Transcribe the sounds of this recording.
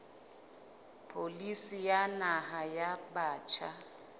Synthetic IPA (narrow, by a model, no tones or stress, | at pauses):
pʰolisijanahajaɓaːt͡ʃʰa